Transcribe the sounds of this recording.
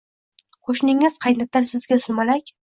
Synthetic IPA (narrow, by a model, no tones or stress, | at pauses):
qʰoʃnɪŋɪz̥qʰɑjnat̪ʰːaɾsɪzɡʲasʊmalakʲ